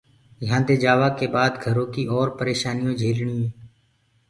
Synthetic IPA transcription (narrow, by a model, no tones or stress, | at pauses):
jãːd̪eːd͡ʒaːʋaːkeːbaːd̪ɡʱəɾõːkiːʔɔːɾpəɾeːʃaːnɪjõːd͡ʒʱeːlɳiːẽː